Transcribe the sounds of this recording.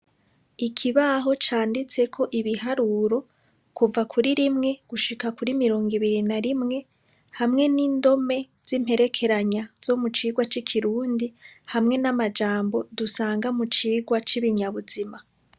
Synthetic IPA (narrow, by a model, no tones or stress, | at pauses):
ikʰiβaɦo̞t͡ʃaːndit͡se̞kʰo̞ʔiβihaɾuɾo̞ | kuvakʰuɾiɾimŋe̞ɡ̥uʃikakuɾimiɾo̞ːŋɡiβiɾinaɾimŋe̞ | hamŋe̞niːndo̞me̞ | z̥im̥he̞ɾe̞kʰe̞ɾaɲaz̥o̞mut͡ʃiːɡwat͡ʃikʰiɾuːndihamŋe̞namad͡ʒaːmbo̞dusaːŋɡamut͡ʃiːɡwat͡ʃiβiɲaβuzima